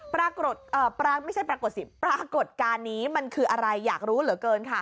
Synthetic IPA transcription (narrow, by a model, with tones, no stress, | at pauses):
pɾaː˧ko˨˩t̪̚ʔəː˨˩pɾa˧ma˥˩jt͡ɕʰa˥˩jpɾaː˧ko˨˩t̪̚si˨˩pɾaː˧ko˨˩t̪̚kaː˧nːiː˦˥ma˧nkʰɯː˧ʔa˧ɾa˧jːaː˨˩k̚ɾuː˦˥lɯ˨˩˦kɤː˧nkʰa˥˩